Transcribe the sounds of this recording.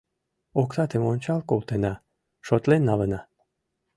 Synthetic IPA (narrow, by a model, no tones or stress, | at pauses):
okt̪ɑt̪emonʲt͡ɕɑlˠkolˠt̪enɑ | ʃot̪lenːɑlɤnɑ